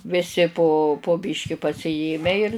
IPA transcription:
ʋʲɪˈsʲɪ poː poː ˈbʲɪʃʲkʲɪ pɐsʲɪˈjeːmʲæː ɪr

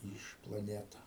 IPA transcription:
ˈiːʃ plˠɐˈnʲæːtɐ

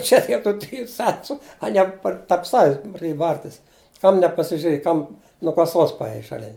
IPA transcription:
ˈt͡ʃʲɛ dʲiɛ tuː ˈtʲrʲɪjʊ ˈt͡sʲɛntʊ ɐˈnʲiɛ ˈpɐr tɐrp ˈsɑːʋʲɪs prɐˈdʲeːjɛ ˈbɐrʲtʲɪs ˈkɐm nʲɛpɐsʲɪʒʲʊˈrʲeːj ˈkɐm nuɔ kɐˈsoːs pɐˈeːjɛɪ ʃɐˈlʲɪn

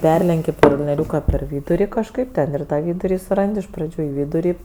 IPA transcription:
ˈpʲɛrʲlʲɛŋʲkʲɪ kɐlʲnʲiɛˈrʲuːkɐ pʲɛr ˈʋʲiːdʊrʲɪ kɐʃˈkɐɪp ˈtʲɛn ɪr ˈtɑː ˈʋʲiːdʊrʲɪ sʊˈrɐnʲdʲɪ ɪʃ prɐˈd͡ʒʲuː ɪ ˈʋʲiːdʊrʲɪ

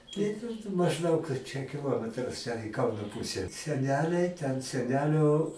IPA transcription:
tɐɪ mɐʒˈdɐʊk t͡ʃʲɛ kʲɪˈlˠoːmʲɛtrɐs t͡ʃʲɛ ɪ ˈkɐʊnoː ˈpʊsʲɛ sʲɛˈnʲæːlʲɛɪ tʲɛn sʲɛˈnʲæːlʲoː

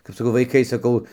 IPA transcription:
kɐp sɐˈkɐʊ ʋɐɪˈkɐɪ sɐˈkɐʊ

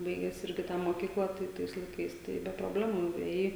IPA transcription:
ˈbɐɪɡʲæːs ˈɪrʲɡʲɪ ˈtɑː moːˈkʲiːklˠɑː tɐɪ ˈtɐɪs lˠɐɪˈkɐɪs tɐɪ bʲɛ proːˈbʲlʲæːmuː nʊeːˈjɛɪ

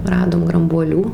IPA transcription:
ˈrɑːdoːm ɡrɐmbuɔˈlʲuː

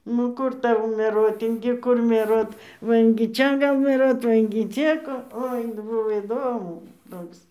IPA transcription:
nʊ ˈkʊr ˈtɐʊ mʲɛˈruɔt ɪŋʲɡʲɪ ˈkʊr mʲiɛˈruɔt ˈʋɐ ɪŋʲɡʲɪ ˈt͡ʃʲɛ ˈɡɐlˠ mʲiɛˈruɔt ˈʋɐ ɪŋʲɡʲɪ ˈt͡ʃʲɛ koː ˈoːɪ ˈbʊʋoː iːˈdoːmʊ ˈtoːks

